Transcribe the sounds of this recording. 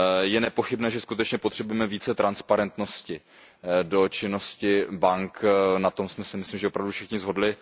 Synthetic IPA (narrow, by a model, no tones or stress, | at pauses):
jɛnɛpo̞xɪbnɛːʒɛskut̪ɛt͡ʃɲɛpo̞t̪r̥ɛbujɛmɛviːt͡sɛt̪ɾanspaɾɛnt̪no̞scɪ | do̞t͡ʃɪno̞scɪbaŋknat̪o̞msmɛsɪmɪsliːmʒɛopɾavdufʃɛxɲɪzɦo̞dlɪ